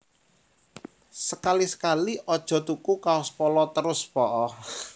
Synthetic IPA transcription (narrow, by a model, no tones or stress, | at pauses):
səkalisə̥kaliʔɔd̥ʒ̥ɔ̤t̪ukukaospɔlɔt̪əɾʊspɔʔɔ